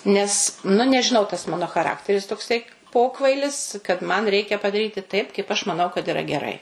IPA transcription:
nʲɛs nʊ nʲɛʒʲɪˈnɐʊ tɐs ˈmɑːnoː xɐˈrɑːktʲɛrʲɪs toːkˈsɐɪ ˈpoːkʋɐɪlʲɪs kɐt mɐn ˈrʲɛɪkʲɛ pɐdɐˈrʲiːtʲɪ tɐɪp kɐɪp ɐʃ mɐˈnɐʊ kɐt ɪˈrɐ ɡʲɛˈrɐɪ

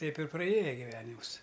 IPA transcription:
ˈtʲɛɪp ɪr prɐˈeːjɛ ɡʲɪˈʋʲæːnʲɪmʊs

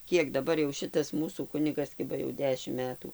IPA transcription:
ˈkʲiɛk dɐˈbɐr jɛʊ ˈʃʲɪtɐs ˈmuːsuː ˈkʊnʲɪɡɐs ˈkʲɪbɐ jɛʊ ˈdʲæːʃʲɪm ˈmʲæːtuː

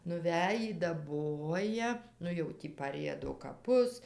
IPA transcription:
nʊˈʋʲæːjiː dɐˈboːjɛ ˈnʊ jɛʊ ˈtʲiː pɐˈrʲiɛdoː kɐˈpʊs

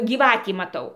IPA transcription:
ɡʲiːˈʋɑːtʲiː mɐˈtɐʊ

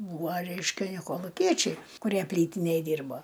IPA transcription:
ˈbuːʋoː ˈrʲɛɪʃʲkʲɛ ˈnʲɛ koːlˠʊˈkʲiɛt͡ʃʲɛɪ kʊˈrʲiɛ ˈpʲlʲiːtʲɪnʲeːj ˈdʲiːrboː

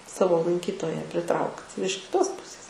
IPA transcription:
ˈsɑːʋoː lˠɐŋʲˈkʲiːtoːjɛ pʲrʲɪˈtrɐʊkt ɪr ɪʃ kʲɪˈtoːs ˈpʊsʲeːs

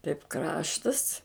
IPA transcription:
tɐɪp ˈkrɑːʃtɐs

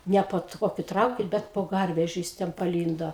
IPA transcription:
ˈnʲɛ poː ˈtoːkʲʊ ˈtrɐʊkʲɪn ˈbʲɛt poː ˈɡɐrʲʋʲɛʒʲʊ jɪs ˈtʲɛn pɐˈlʲiːndoː

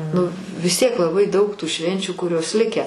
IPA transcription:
nʊ ʋʲɪs ˈtʲiɛk lˠɐˈbɐɪ dɐʊk tuː ˈʃʲʋʲɛnʲt͡ʃʲuː kʊˈrʲoːs ˈlʲɪkʲæː

